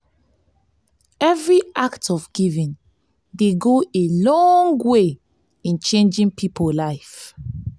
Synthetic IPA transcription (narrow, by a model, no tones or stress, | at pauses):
ɛvɹiaktɔvɡ̥ivĩn | deɡoelɔ̃ŋɡwe | ĩnt͡ʃẽnd͡ʒĩnpʰipʰolaɪf